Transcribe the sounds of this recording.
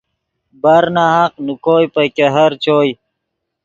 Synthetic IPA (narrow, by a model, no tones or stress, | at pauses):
bɐɾnaɦaqnukoːjpɐkeɦɐɾt͡ɕoːj